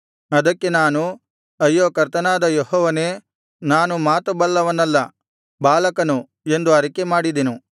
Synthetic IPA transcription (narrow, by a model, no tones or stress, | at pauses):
ɐd̪ɐkːe̞naːnu | ɐjːoːkɐɾt̪ɐnaːd̪ɐjoɦɔːʋɐne̞ː | naːnumaːt̪ubɐlːɐʋɐnːɐlːɐ | baːlɐkɐnu | e̞nd̪uɐɾɐkemaːɽid̪enu